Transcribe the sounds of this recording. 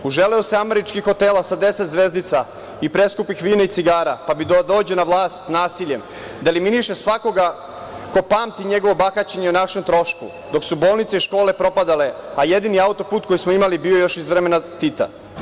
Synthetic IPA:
uʒeleoseame̞ɾit͡ʃkixo̞t̪elasad̪e̞set̪zʋe̞zd̪nit̪sa | ipɾe̞skupixʋiːnait̪siɡaːɾapabid̪od̪o̞ːd͡ʑenaʋlaːst̪naːsiʎem | d̪aeliminiʃesʋako̞ɡa | ko̞paːmt̪iɲe̞ɡo̞ʋobaxat͡ɕeɲeunaʃemt̪ɾo̞ʃkṵ | d̪o̞ksubo̞ːlˠnit̪seiʃko̞ːle̞pɾo̞pad̪ale̞aje̞d̪iniaut̪o̞puːt̪̚ko̞jismo̞imalibio̞jo̞ʃizʋɾeme̞nat̪it̪a̰

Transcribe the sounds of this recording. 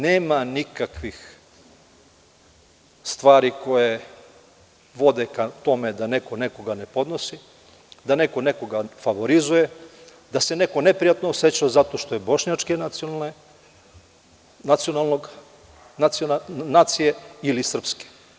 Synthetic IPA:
neːmanikakʋix | st̪ʋaːɾiko̞je | ʋo̞d̪e̞kat̪o̞med̪anekone̞ko̞ɡane̞po̞d̪no̞si | d̪ane̞ko̞ne̞ko̞ɡafaʋo̞ɾizuje̞ | d̪ase̞ne̞ko̞ne̞pɾijat̪noːset͡ɕozat̪o̞ʃt̪o̞jebo̞ʃɲat͡ʃke | nat̪sionalˠnoɡ | anaːt̪sije̞ilisr̩pske̥

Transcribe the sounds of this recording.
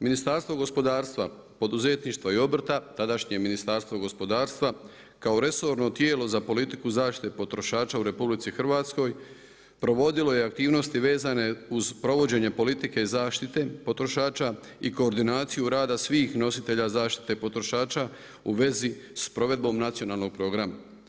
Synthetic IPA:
minist̪aɾst̪ʋo̞ɡo̞spo̞d̪aːɾst̪ʋa | po̞d̪uze̞t̪niʃt̪ʋaio̞br̩t̪at̪ad̪aʃɲe̞minist̪aɾst̪ʋo̞ɡo̞spo̞d̪aːɾst̪ʋa | kao̞ɾe̞so̞ɾno̞t̪je̞ːlo̞zapo̞lit̪ikuzaːʃt̪it̪epo̞t̪ɾo̞ʃaːt͡ʃauɾe̞publit̪sixr̩ʋaːt̪sko̞j | pɾo̞ʋo̞d̪ilo̞je̞ak̚t̪iːʋno̞st̪iʋe̞ːzane̞uzpɾo̞ʋo̞d͡ʑe̞ɲe̞po̞lit̪ike̞izaːʃt̪it̪e̞po̞t̪ɾo̞ʃaːt͡ʃaiko̞ːɾd̪inaːt̪sijuɾaːd̪asʋiːxno̞sit̪e̞ʎazaːʃt̪i̥t̪e̞po̞t̪ɾo̞ʃaːt͡ʃa | ṵʋe̞zispɾo̞ʋe̞d̪̚bo̞mnat̪sijo̞naːlˠno̞ɡ̥̚pɾo̞ɡɾama

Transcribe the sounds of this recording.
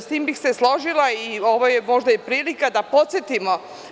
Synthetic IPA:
st̪iːmbixseslˠo̞ʒilaio̞ʋojemo̞ʒd̪ajipɾiːlikad̪apo̞t̪sjet̪imo̞

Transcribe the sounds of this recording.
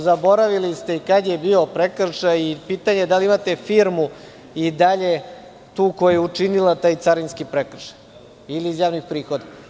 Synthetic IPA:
zabo̞ɾaʋilist̪e̞ikad̪je̞bio̞pɾekr̩ʃajipit̪aɲed̪aliimat̪e̞fiːɾmu | id̪aʎe̞ | t̪uːkojajeut͡ʂinilat̪aːjt̪saɾinskipɾekr̩ʃaj | iliːzjaːʋnixpɾiːxo̞d̪a

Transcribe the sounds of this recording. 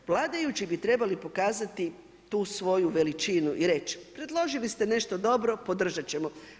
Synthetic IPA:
ʋlˠaːd̪ajut͡ɕibit̪ɾe̞balipo̞kaːzat̪i | t̪uːsʋo̞juʋe̞lit͡ʃinuʔiɾe̞t͡ʃpɾe̞d̪lˠo̞ʒilist̪e̞ne̞ʃt̪od̪o̞bɾo̞po̞d̪r̩ʒat͡ɕe̞mo

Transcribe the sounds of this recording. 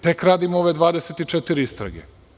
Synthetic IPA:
t̪e̞kɾaːd̪imooʋe̞d̪ʋaːd̪eset̪it͡ʃet̪iɾiist̪ɾa̰ɡḛ

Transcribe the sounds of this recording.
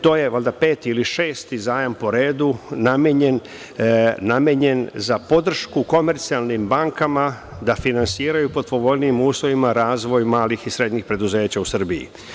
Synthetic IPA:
t̪o̞ːje̞ʋalʲd̪ape̞ːt̪iiliʃeːst̪izaːjampo̞ɾeːd̪unameɲenː | ameɲe̞nzapo̞d̪r̩ʃkuko̞me̞ɾt̪sialˠnimbaŋkama | d̪afinansiːɾajupo̞d̪po̞ʋo̞lniːmuːslˠoʋimaɾaːzʋo̞jmaːlixisɾe̞d̪ɲixpɾe̞d̪uze̞ːt͡ɕausr̩biḭ

